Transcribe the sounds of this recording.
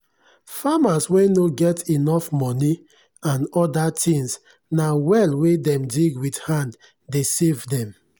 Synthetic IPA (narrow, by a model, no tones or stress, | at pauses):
famaswenoɡɛtʰinɔfmɔni | ãnɔdatʰĩŋs | nawɛlwedɛ̃mdiɡwidhãnd | desevdɛ̃m